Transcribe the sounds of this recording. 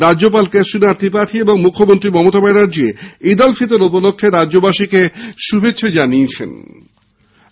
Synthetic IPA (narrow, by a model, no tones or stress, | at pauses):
ɾaop̬alkesunat̪ːip̬aʈ̪ʰieboŋmukʰːomont̪ɾimɔmot̪abajɾaɾd͡ʑieid̪olfit̪̬eɾupolokʰːeɾad͡ʑobaʃikeʃubʱet͡ɕːɕʰed͡ʑaniet͡ɕʰḛn